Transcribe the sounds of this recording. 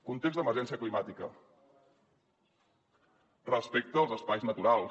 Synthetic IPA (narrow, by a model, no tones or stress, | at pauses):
kunt̪ekzðd̪əməɾʒɛnsiəklimat̪ikə | rəspek̚t̪əːlˠzəspajznət̪uɾalˠ